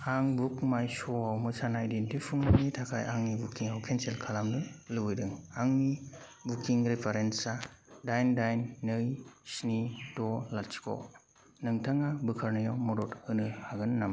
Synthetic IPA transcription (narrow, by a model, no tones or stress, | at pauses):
aŋbukmajsɔawmɯsanajdentipʰuŋnɯŋitʰakʰajʔaŋnibukːiŋawkʰenselkʰalamnɯlɯwɯjdɯŋaŋni | bukiŋɾepʰaɾensadajndajnːɯjsnidɔlatsi̥kʰɔ̰ | nɯŋtʰaŋabɯkʰaɾnɯjawmɔɾɔtɯnɯhaɡɯnːam